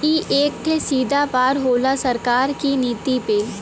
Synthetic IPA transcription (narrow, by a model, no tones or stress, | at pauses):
iʔeːk̚ʈ̪ʰesiːd̪ʱapaːɾɦoːlasɐɾkaːɾkiniːt̪ipeːl